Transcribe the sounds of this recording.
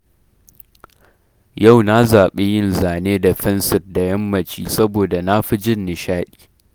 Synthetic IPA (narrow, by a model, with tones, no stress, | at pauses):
ja˦˨wna˦zaː˨ɓe˦jɪ˦˨nzaː˨neː˦da˨ɸɛ˦nsɪ˨rda˨jɐ˦mːɐ˨t͡ʃḭː˦sɐ˦boː˨da˨na˦ɸi˦d͡ʒɪ˦nːɪ˨ʃaː˦ɗi̥ː˨